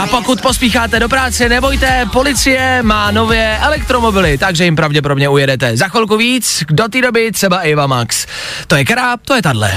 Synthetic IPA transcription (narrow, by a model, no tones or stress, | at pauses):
ʔapo̞kut̪̚po̞spiːxaːt̪ɛdo̞pɾaːt͡sɛnɛbo̞jt̪ɛpo̞lɪt͡sɪjɛmaːno̞vjɛʔɛlɛkt̪ɾo̞mo̞bɪlɪt̪aɡʒɛjɪmpɾavɟɛp̬o̞ɾdoɲɛujɛdɛt̪ɛzaxɛlkuviːt͡sdo̞t̪iːdo̞bɪt̪r̥ɛbaʔɪvamaks | t̪o̞jɛkɾaːp̚t̪o̞jɛt̪adlɛ̰